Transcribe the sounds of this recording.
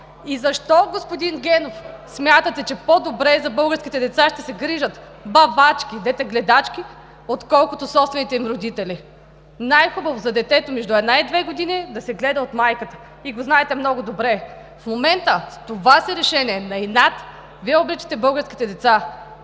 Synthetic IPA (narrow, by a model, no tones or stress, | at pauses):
izɐʃt̪ɔɡospod̪inɡʲɛnofsmʲjat̪ət̪ɛt͡ʃɛpod̪obɾɛzɐbɤlˠɡəɾsk̟ʲit̪ɛd̪ɛt̪saʃt̪ɛsɛɡɾiʒət̪ | bɐvat͡ʃk̟id̪ɛt̪ɛɡlɛd̪at͡ʃkʲi | ot̪kɔlˠkʊt̪osɔpst̪vɛnit̪ɛimɾod̪it̪ɛli | najxubɐvozɐd̪ɛt̪ɛt̪omɛʒd̪uɛd̪naid̪vɛɡod̪inid̪ɐsɛɡlɛd̪ɐot̪majkət̪ə̥ | iɡoznaɛt̪ɛmnɔɡʊd̪obɾɛ | fmomɛnt̪ət̪ovasiɾɛʃɛnʲiɛnɐinat̪ | viɛobɾit͡ʃi̥t̪ɛbɤlˠɡəɾskʲi̥t̪ɛd̪ɛt̪sa